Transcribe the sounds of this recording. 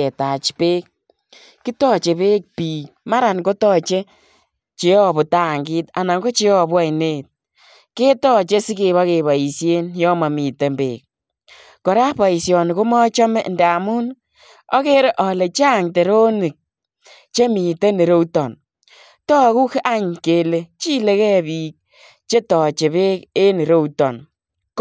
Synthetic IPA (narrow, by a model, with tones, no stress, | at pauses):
e˨ta˨t͡ʃpe˦k̚ | kːi˦tɔ˦t͡ʃe˨pe˦k̚piː˨k̚ma˦ɾa˨nko˦tɔ˦˨t͡ʃe˦ | t͡ʃe˨ɔ˦bʊ˨ta˦˨ŋɡi˦ta˨na˨ŋɡo˦t͡ʃe˦ɔ˨bwa˦jne˦t̚ | ke˦tɔ˦t͡ʃe˦si˦ke˨βa˦ke˨βa˨i˨sje˦njɔ˦ma˨mi˨te˦mbḛ˨k̚ | kɔ˨ɾa˦pa˨i˨sjɔ˨ni˨ko˦mɔ˦t͡ʃɔ˦mɛ˦˨ndɛ˨a˨mu˦n | ɔ˦ke˦ɾe˦ʔɔ˨le˨t͡ʃa˦˨ŋte˨ɾo˦ni˨k̚ | t͡ʃe˦mi˨te˦ne˨ɾo˦wtɔ˨n | tɔ˦ku˦ka˦ɲke˨le˨t͡ʃi˦le˦kɛ˦bi˨k̚ | t͡ʃe˦tɔ˨t͡ʃe˨βe˦ke˦ne˨ɾo˦utɔ˨n | k